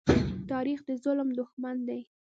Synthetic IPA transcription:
t̪ɑɾixd̪əzʊlmd̪ʊxmand̪aj

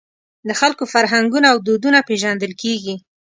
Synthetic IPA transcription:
d̪əxalkofaɾɦaŋɡunaːwd̪od̪unapeʒand̪əlkeɡi

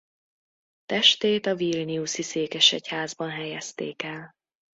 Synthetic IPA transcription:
t̪ɛʃt̪eːt̪ɒviːlniusiseːkɛʃɛchaːzbɒnɦɛjɛst̪eːkɛl

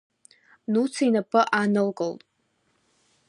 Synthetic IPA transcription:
nut͡sʰainapʰɨʔanɨlkʼoltʼ

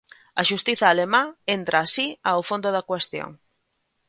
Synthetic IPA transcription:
ɐ̰ʃust̪iθɐːlemãent̪ɾaːsiawfond̪ʊðɐkwest̪jo̰ŋ

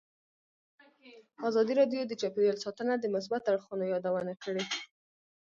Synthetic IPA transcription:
ɑzɑd̪iɾɑɖjod̪ət͡ʃapewəlsɑt̪ənad̪əmʊs̬bat̪aɽxunojɑd̪awənakəɽe

